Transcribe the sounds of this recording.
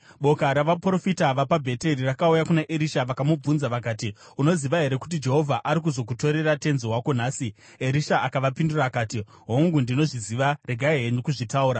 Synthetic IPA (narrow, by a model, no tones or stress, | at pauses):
ɓo̞kaɾaʋapɾo̞fitaʋapabʱe̞te̞rirakaujakunaʔeɾiʃaʋakamub͡vunzaʋakaːti | uno̞ziʋaɦe̞ɾe̞ku̥t̬id͡ʒe̞ɦo̞vʱaʔaɾik̬uzo̞k̬uto̞ɾe̞rate̞nzoɦwako̞naːsi | e̞ɾiʃaʔakaʋapinduraːkaːti | ɦoŋɡundino̞ʐiziʋare̞ɡʱaeɦeɲikuʐitauːɾa